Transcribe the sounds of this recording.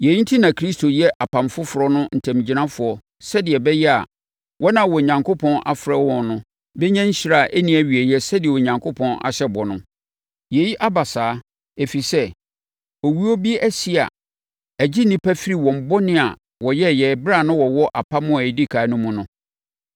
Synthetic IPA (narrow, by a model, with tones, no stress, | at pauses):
jɛ˨ji˦n̩˦tʰi˦nã˨kʰɾi˦stʰo˨jɛ˦ʔa˨pʰã˨mfʊ˦fʊ˨ɾɔ˦nʊ̃˦n̩˨tʰæ̃˨m˨d͡ʑi˨nã˦fʊ˨ɔ˦ | sɛ˦dɪ˨ɛ˨bɛ˦jɛ˦a̰˨ | wʔɔ˦nã˨wɔ˨ɲã˨ŋkʰo˦pʰɔ̃˦nʔa̰˨fɾɛ˦wɔ̃˨nnʊ̃˦ | bɛ˦ɲã˦ɲ̩˦ɕi˦ɾa˦˨ʔæ˦nĩ˦æ˨ɥi˨ɛ˨jɛ˦sɛ˦dɪ˨ɛ˨wɔ˨ɲã˨ŋkʰo˦pʰɔ̃˦na̰˨ɕɛ˦bɔ˨nʊ̃˦ | jɛ˨ji˦ʔa˦ba˨saː˨˦ | e˨fi˨sɛ˦ | ɔ˨wi˦o˦bi˦ʔæ˦si˦a̰˨ | æ˨d͡ʑi˦nĩ˦pʰæ˦fi˦ɾi˨wɔ̃˨m̩˨bɔ˦nɪ̃˦a̰˨ | wɔ˨jɛ˦jɛː˨bɪ˦ɾa˦˨nʊ̃˦wɔ˨wɔ˦ʔa˨pʰa˦mʊ̃˦a˨e˨di˦kʰaː˨˦nʊ̃˦mũ˨˦nʊ̃˦